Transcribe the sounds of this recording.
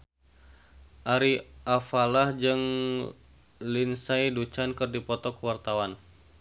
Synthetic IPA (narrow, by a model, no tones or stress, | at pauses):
ʔaɾiʔafalahd͡ʒɨŋ | linsajdut͡ʃankɨrdipɔt̪ɔkəwart̪awan